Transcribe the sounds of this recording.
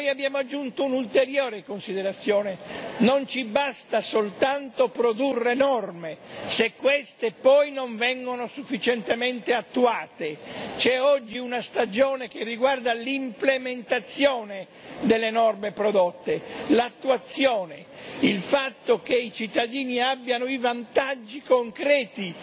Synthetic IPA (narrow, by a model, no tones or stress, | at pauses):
nojabːjaːmoad͡ʒːunt̪ounult̪eɾjoːɾekonsid̪eɾat̪sːjoːnenont͡ʃibast̪asolt̪ant̪opɾod̪urːenɔrmesekːwest̪epɔjnoɱvɛŋɡonosufːit͡ʃent̪ement̪eat̪ːuaːt̪et͡ʃɛɔd͡ʒːiunast̪ad͡ʒoːnek̟erːiɡward̪alimplement̪at̪sːjoːne | d̪elːenɔrmepɾod̪ot̪ːelat̪ːuat̪sːjoːne | ilfat̪ːok̟eit͡ʃit̪ːad̪iːniabːjanoivant̪ad͡ʒːikoŋkɾɛːt̪i